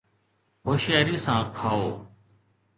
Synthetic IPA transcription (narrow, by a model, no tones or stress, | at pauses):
ɦoːʃɛːɾiːsãːkʰaːoː